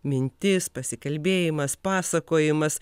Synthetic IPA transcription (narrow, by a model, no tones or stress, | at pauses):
mʲɪnʲt̪ʲɪspɐsʲɪkɐlʲbʲeːjɪmɐspɑːsɐkoːjɪmɐs